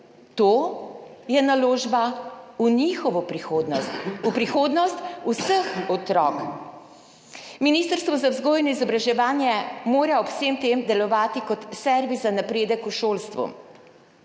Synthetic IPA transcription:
t̪oːjɛnaloːʒbaunixɔʋɔpɾixod̪nɔst̪upɾixoːd̪nɔst̪usəxɔt̪ɾɔ̰ːk | miniːst̪əɾst̪ʋɔzawzɡoːjnɔizɔbɾaʒɛʋaːnjɛmoːɾaɔpseːmt̪eːmd̪ɛlɔʋaːt̪ikɔt̪sɛɾʋizanapɾeːd̪əkuʃoːlst̪ʋṵ

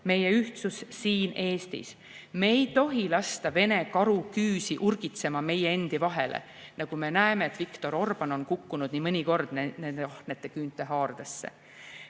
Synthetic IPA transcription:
me̞je̞yht̪sussiːne̞ːst̪ḭs | meejt̪o̞ɦilɑst̪ɑve̞ne̞kɑɾukyːsiʔurɡ̥it̪se̞mɑme̞jee̞nd̪̥ivɑɦe̞lʔḛ | nɑɡ̥ume̞næeme̞ːt̪vikt̪o̞ɾo̞rb̥ɑno̞nkukːunud̪̥nimɤnʲiko̞rd̪̥nnend̪eɑht̪ne̞t̪ːˑe̞kyːnt̪ːˑe̞ɦɑːrd̪̥esːe̞̰

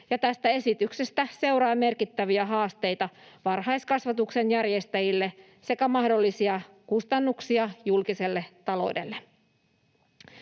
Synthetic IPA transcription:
jɑt̪æst̪æe̞sit̪ykse̞st̪æse̞uwɾɑjme̞rkit̪ːæʋiæɦɑːst̪e̞jt̪ɑʋɑrhɑjskɑsʋɑt̪ukse̞njærje̞st̪æjilːe | se̞kæmɑhdo̞lːisiɑ | kust̪ɑnːuksiɑjulkise̞lːe̞t̪ːɑlo̞̰de̞̰lːe

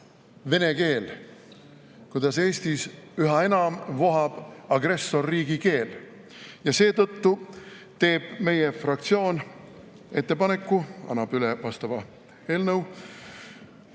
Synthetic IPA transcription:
ve̞ne̞ke̞ːl | kujd̪ɑse̞ːst̪isyɦɑe̞nɑmvo̞ɦɑb̥ɑɡ̥re̞sːo̞rːiːɡ̥ike̞ːl | jɑse̞ːt̪ɤt̪ːu | t̪e̞ːb̥me̞jefrɑk̚t̪sio̞ːn | e̞t̪ːe̞pɑne̞kːˑuɑ̰nːɑb̥ylevɑst̪ɑvɑ | e̞ːlnəw

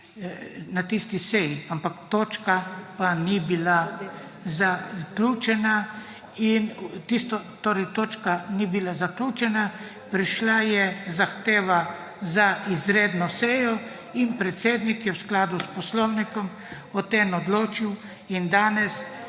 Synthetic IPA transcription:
nat̪ist̪isɛjiampakt̪oːt͡ʃkapanibila | zaklʲut͡ʃɛna | int̪ist̪ɔt̪oːɾɛjt̪oːt͡ʃkanibilazaklʲuːt͡ʃɛna | pɾiʃlajɛzaxt̪eːʋa | zaizɾeːd̪nɔsɛjɔ | inpɾɛt̪seːd̪nikjɛwsklaːd̪uspɔslownikɔm | ɔt̪enɔd̪loːt͡ʃiw | ind̪aːnɛs

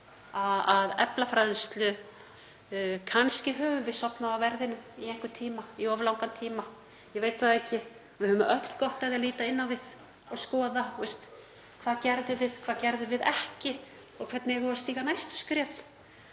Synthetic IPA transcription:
aaðɛ̰plafɾajðɪnst̪lʏ | kʰanscɪɦœːvʏvɪðsɔpnaawvɛɾðɪnʏmiɛŋkʏt̪ʰiːmaiɔvlawŋkant̪ʰiːma | jɛveːjt̪θaðɛhcɪ | vɪðhʏœmːʏʔœt̪l̥kɔht̪aðɪaliːt̪aɪnːawvɪð̥ | ɔɣskɔːðaθust̪ | kʰv̥aːðcɛɾðʏvɪð̥kʰv̥aðcɛɾðʏvɪðɛhcɪ | ɔɣkʰvɛɾt̪nɪɛɣast̪iːɣanajst̪ʏ̥skɾjɛːl

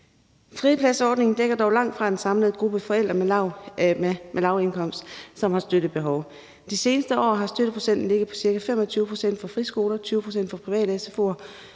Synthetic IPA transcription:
fʁipʰlæsɒːd̥ne̝ŋn̩d̥eɡ̥ɐd̥ɒʊlɑ̈ŋ̰d̥fʁɑ̈e̝nsɑ̈mləð̩ˠɡ̥ʁub̥əfɒ̽el̰d̥ʁɐme | mʔelɑ̈ʊe̝nkʰɒ̽m̰sd̥sɒ̽mhɑ̈sd̥ød̥ð̩ˠb̥e̝ɦɒʊ | d̥ise̝ːnəsd̥əɒ̰ːɦɑ̈sd̥øɾ̥əpʰʁo̝̥sen̰d̥n̩le̝ɡ̥ð̩ˠpʰɒ̥̽siɐkæfem̰ɒt͡sʰyːʊəpʰʁo̝sen̰d̥fɒ̽fʁisɡ̥o̝ːlɐt͡sʰyːʊəpʰʁo̝sen̰d̥fɒ̽pʰʁiʋɛ̰ːɾəesefo̝̰ɐ

